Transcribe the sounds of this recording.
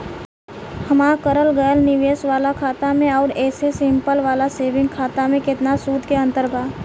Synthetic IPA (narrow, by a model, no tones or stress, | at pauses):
hɐmaːkəɾəlɡəjəlnɪʋeːsʋaːlakʰaːt̪amẽɔːɾɛːsesɪ̃mpəlʋaːlaseːʋɪ̃ŋɡ̚kʰaːt̪amẽkɪt̪nasuːd̪ʱkeɐ̃nt̪əɾbʱaː